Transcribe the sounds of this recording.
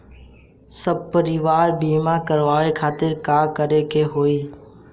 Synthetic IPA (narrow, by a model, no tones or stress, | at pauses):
səb̚pəɾɪʋaːɾbiːmãkəɾʋaːʋekʰaːt̪ɪɾkaːkəɾekeɦoːiː